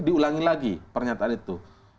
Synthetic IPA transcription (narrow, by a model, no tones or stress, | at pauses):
diulaŋilaɡipərɲat̪aanit̪u